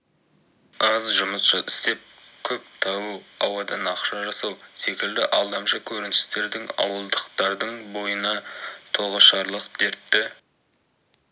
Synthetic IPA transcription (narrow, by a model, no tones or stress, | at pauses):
ɑzʒʊməsʃəʔɪst̪e̞p̚ | kʲʰɵp̚t̪ʰɑwəɑwɑd̪ɑnɑqʃɑʒɑsɑwse̞kʲɪld̪ɪʔɑlˠd̪ɑmʃəkʲʰɵɾɪnɪ̥st̪e̞ɾd̪ɪŋɑ̰wəlˠd̪əqt̪ɑɾd̪əɴbo̞jənɑt̪ʰoʁəʃɑɾlˠəqd̪eɾt̪ːɪ